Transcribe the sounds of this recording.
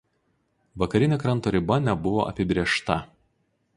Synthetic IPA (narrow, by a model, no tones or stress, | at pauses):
ʋɐkɐɾʲɪnʲeːkɾɐnt̪oːɾʲɪbɐnʲɛbʊʋoʔɐ̰pʲɪbʲɾʲeɛʃt̪ɐ